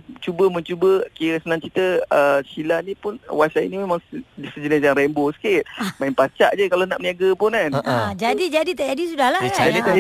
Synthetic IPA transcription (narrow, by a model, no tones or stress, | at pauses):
t͡ʃubəmənt͡ʃubəkiɾəsənãŋt͡ʃit̪əəsilanĩpʊnwasaḭnĩmemãŋdisəd͡ʒənɪs̬jaŋɾɛmbosə̥kit̪̚maimpat͡ʃaʔd͡ʒəkalana̰ʔpniaɡəpʊnanad͡ʒadid͡ʒadit̪ad͡ʒadisudahlad͡ʒadit̪a